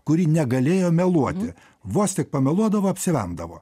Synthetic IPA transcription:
kʊɾʲiːnʲɛɡɐlʲeːjoːmʲɛlˠuɔt̪ʲɪ | ʋoːst̪ʲɪk̚pɐmʲɛlˠuɔd̪ɐʋoːɐpʲsʲɪʋʲɛ̰nd̪ɐʋo̰ː

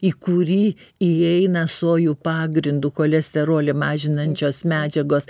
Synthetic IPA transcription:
iːkuɾʲiːiɛɪnɐsoːjuːpɑːɡɾʲɪnd̪uːkoːlʲɛsʲt̪ʲɛɾoːlʲɪmɑːʒʲɪnɐnʲt͡ʃʲoːsmʲæːd͡ʒʲɛɡoːs

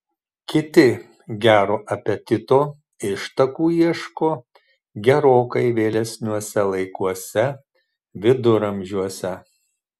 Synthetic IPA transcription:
kʲɪt̪ʲɪ | ɡʲæːɾoːʔɐpʲɛt̪ʲɪt̪oː | ɪʃt̪ɐkuːiɛʃkoː | ɡʲɛɾoːkɐɪʋʲeːlʲɛsʲnʲuɔsʲɛlˠɐɪkuɔsʲɛ | ʋʲɪd̪ʊɾɐmʲʒʲuɔsʲɛ

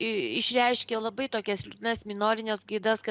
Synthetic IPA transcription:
ɪʃʲɾʲɛɪʃʲkʲeːlˠɐbɐɪt̪oːkʲɛsʲlʲʊt̪ʲɪnɐsmʲɪnoːɾʲɪnʲɛsɡɐɪd̪ɐsk

